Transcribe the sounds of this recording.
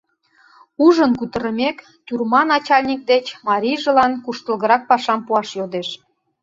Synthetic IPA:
uʒənkut̪ə̆ɾəmek | t̪ʲurmɑnɑt͡ɕɑlʲnʲik̚d̪et͡ɕmɑɾʲijʒə̆lɑnkuʃt̪ə̆lɣə̆ɾɑk̚pɑʃɑmpuɑʃjod̪eʃ

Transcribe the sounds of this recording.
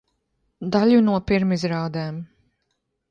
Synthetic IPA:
d̪alʲjunuɔpiɾmizɾaːd̪ɛːm

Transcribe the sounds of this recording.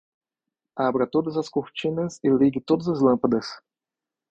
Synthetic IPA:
abɾɐt̪od̪ɐzɐskuʁt͡ʃinɐsilʲiɡʲɪt̪od̪zɐzlˠɐ̃mpɐd̪ɐs

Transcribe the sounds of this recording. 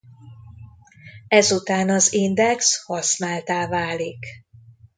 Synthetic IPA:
ɛzut̪aːnɒzind̪ɛkshɒsnaːlt̪aːvaːlik

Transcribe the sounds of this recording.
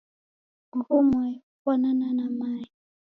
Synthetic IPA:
ŋhumwɛ | kwanananamai

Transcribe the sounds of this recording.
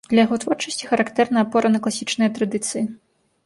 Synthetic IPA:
d̪lʲɐjɐɣɔt̪vɔrt͡ʂɐsʲt͡sʲixɐɾakt̪ɛrnɐːpɔɾɐnɐklˠasʲit͡ʂnɨjɐt̪ɾɐd̪ɨt̪sɨji

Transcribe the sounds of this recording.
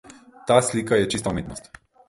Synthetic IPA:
t̪aslikajɛt͡ʃist̪aumit̪nɔst̪

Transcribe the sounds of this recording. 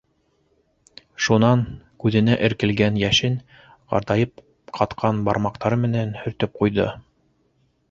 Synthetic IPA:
ʃunɑŋkʉðɘ̆næʔɘ̆ɾkɘ̆lɡænjæʃɘn | ʁɑ̰ɾd̪ɑjɤp̚ | qʰɑt̪qʰɑnbɑɾmɑqt̪ɑɾɤmɘ̆nænhɵ̆ɾt̪ɵp̚qujðɤ̰

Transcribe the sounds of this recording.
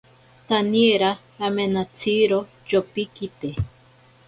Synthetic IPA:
t̪anieɾaː | menat͡sʰiɾo | t͡ʃopikit̪e

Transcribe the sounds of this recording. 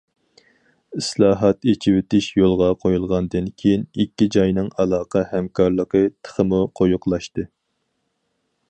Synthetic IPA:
ɪslˠɑːɦɑt̪et͡ʃʰiwɪt̪ɪʃjolˠʁɑqʰojulˠʁɑnd̪ɨnkʲʰejinikʲːid͡ʒɑjnɨŋɑlˠɑːqɑhɛmkʰɑɾlˠəqət̪ʰə̥χəmuqʰojuqlˠɑʃt̪ɨ

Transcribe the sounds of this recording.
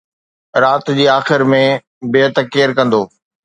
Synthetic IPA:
ɾaːt̪d͡ʑiːaːxɪɾmẽ | bɪət̪keːɾkɐ̃nd̪oː

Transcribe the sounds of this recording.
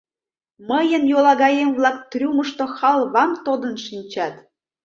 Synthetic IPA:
məjə̆njolˠɑɣɑjemβlɑk̚t̪rʲuməʃt̪oxɑlˠβɑmt̪od̪ə̆nʃinʲt͡ɕɑt̪

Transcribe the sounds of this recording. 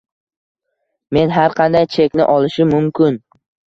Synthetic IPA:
me̞nɦaɾqʰɑnd̪ajt͡ʃʰe̞kʲnɪ̰ʔɒlˠɪʃɪmʊmkʲʰɪn

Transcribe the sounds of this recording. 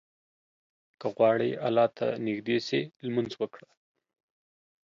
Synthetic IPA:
kəɣwɑɽejʔalɑt̪ʰa̰nɪɡd̪eselmanzwəkɽa

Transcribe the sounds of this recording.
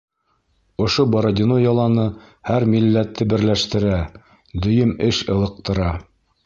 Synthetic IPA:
ŏʃobɑɾod̪ʲinojɑlˠɑnɤ | hæɾmilːæt̪ʰːɘbɘ̆ɾlæʃt̪ɘ̆ɾæ | d̪ɵ̆jɵmɘʃɤ̆lˠɤ̆q̚t̪ɤ̆ɾɑ

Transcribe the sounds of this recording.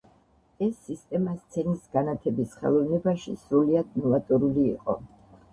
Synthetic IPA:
ɛsːist̪ʼɛmast̪sʰɛnisɡanat̪ʰɛbisχɛ̰lˠɔvnɛbaʃḭsɾuliad̪nɔvat̪ʼɔɾulḭːqʼɔ̰

